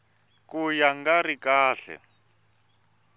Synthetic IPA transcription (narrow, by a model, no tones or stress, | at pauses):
kujaŋɡarikaːɬɛ̰